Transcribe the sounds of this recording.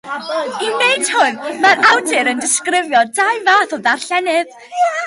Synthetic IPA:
inejd̥hʊnmaɾawdɪɾəndɪskrɪvjɔdaɨvaːθɔðarɬɛnɨð

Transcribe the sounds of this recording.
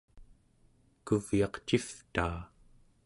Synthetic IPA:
kuvjɑqt͡ʃift̪aː

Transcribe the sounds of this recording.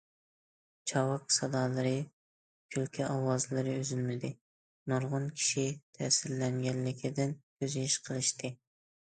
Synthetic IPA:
t͡ʃʰɑwɑqsɑd̪ɑlˠɨɾɨ | kʲʰylkʲʰɛʔɑwɑzlˠɨɾɨyzylmɪd̪ɪ | noɾʁʊnkʲʰi̥ʃit̪ʰɛːsɪɾlɛŋɡʲɛnlɪkʲʰid̪ɪnkʲʰøziʃqʰəlˠɨʃt̪ʰɨ

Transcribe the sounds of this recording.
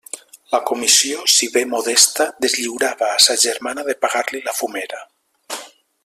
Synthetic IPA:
lakumisiosiβemoðɛst̪ad̪ezʎiwɾaβaːsaʒeɾmanaðepaɣaɾlilafumeɾa

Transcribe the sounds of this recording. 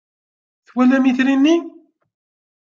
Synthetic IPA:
θwælæmiθɾinːi

